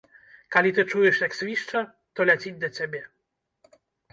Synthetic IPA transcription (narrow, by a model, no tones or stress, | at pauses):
kalʲit̪ɘt͡ʂujɛʂjaksvʲiʂt͡ʂa | t̪ɔlʲɛt͡ɕid͡ʑʲd̪ɔt͡ɕɛbʲjɛ